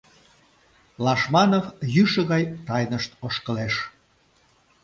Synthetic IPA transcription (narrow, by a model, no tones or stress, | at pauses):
lɑʃmɑnovjyʃə̆ɣɑjt̪ɑjnəʃt̪oʃkəleʃ